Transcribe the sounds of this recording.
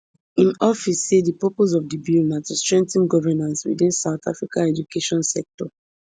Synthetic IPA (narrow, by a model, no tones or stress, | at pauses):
ĩnɔfisːedipɔpos̬ɔvdibilnatustɹɛ̃ntĩnɡɔvɛnãnswḭdĩnsaʊta̰fɹikaɛd͡ʒukʰeʃɔ̃nsɛk̚tɔ